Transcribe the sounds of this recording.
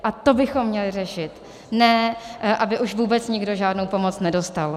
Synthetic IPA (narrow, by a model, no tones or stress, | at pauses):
ʔat̪o̞bɪxo̞mːɲɛlɪrɛʃɪt̪ | nɛːʔabɪʔuʃvuːbɛt͡sɲɪɡdo̞ʒaːdnowpo̞mo̞t͡snɛdo̞st̪al